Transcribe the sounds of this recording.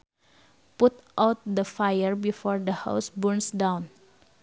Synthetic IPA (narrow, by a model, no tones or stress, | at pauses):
put̪ʔawt̪̚d̪əfajəɹbifɔɹd̪əha̰wsbuɹnsdãw̃n